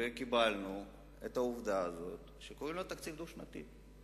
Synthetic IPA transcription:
ekibalnu | et̪auvd̪aːzo̞t̪ʃekoʁimlot̪ak̪t͡sivd̪uʃnat̪ḭ

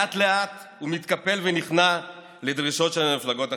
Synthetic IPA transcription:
at̪leat̪ | humit̪kape̞lveniχna | le̞dʁiʃo̞tʃelamiflaɡo̞ta

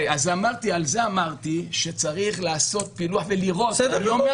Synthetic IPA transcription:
azamaʁt̪ialze̞amaʁt̪iʃet͡saʁiχlaːso̞t̪̚piluaħveliʁo̞t̪jo

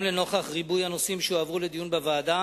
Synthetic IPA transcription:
leno̞χaχʁibujhanosimʃeavʁuled̪ijunbevaːd̪a

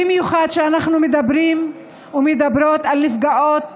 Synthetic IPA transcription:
imjuχad̪ʃeanaχnumed̪abɾim | umed̪abɾo̞t̪alnifɡaʔot̪

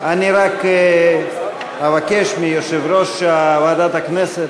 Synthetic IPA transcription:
aniɾak | avakeʃmijoʃevɾoʃavad̪at̪akneset̪

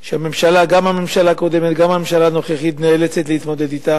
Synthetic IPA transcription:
ʃeame̞mʃalaɡamhame̞mʃalaːko̞d̪emet̪ɡamhamemʃalaːno̞χeχit̪neelet͡set̪lehit̪mod̪ed̪it̪a

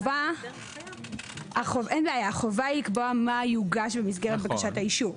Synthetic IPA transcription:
va | aχovʔenbeajaχovajikboamajuɡaʃbemis̬ɡe̞ʁet̚bekaʃathaiʃu

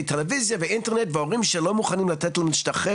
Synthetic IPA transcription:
t̪elevizjaveʔintenetveoʁimʃelo̞muχanimlat̪etloniʃtaχe

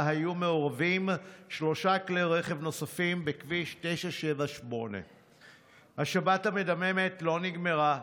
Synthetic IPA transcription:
hajume̞oʁavimʃlo̞ʃakleʁe̞χevno̞safimbekviʃte̞ʃaʃevaʃmo̞ne̞̰ | haʃabathame̞dameme̞tlo̞niɡme̞ʁa

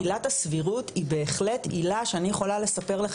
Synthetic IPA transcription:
ilatasviʁutibe̞ːχle̞tilaʃeanijeχo̞lale̞sape̞ʁlaχ

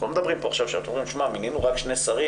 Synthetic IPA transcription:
lomed̪abʁimpoaχʃavʃaat̪omʁimʃmamininuʁakʃnesaʁi

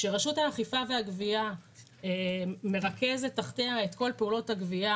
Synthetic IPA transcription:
ʃeʁaʃuthaχifave̞haɡvia | eme̞ʁake̞zletːaχteaetko̞lpeulo̞thaɡvia

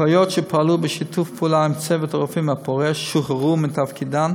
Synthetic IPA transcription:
ajɔtʃɛpʰaalubəʃitʰufpulaimt͡sɛvətʁofimhapʰoʁɛʃʃuχəʁumɪntafkʰidan

